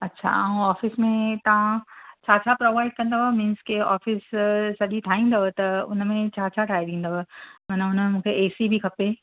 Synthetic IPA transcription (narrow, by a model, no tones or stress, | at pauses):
ɐtːɕʰa̰a̰ːũaːfɪsmẽt̪ɐʋ̤ãt͡ɕʰaːt͡ɕʰapɾoːʋaːɪɖ̚kɐ̃nd̪aɦomĩːnskeɔ̰ːfɪssɐɗiʈʰaːɦĩːnd̪ɐɦot̪ɐʊ̰nmẽt͡ɕʰaːt͡ɕʰaʈʰaːiɗ̪ĩːn̆d̪aɦomɐnəʊnəmẽmũːkʰeeːsibʱikʰɐpe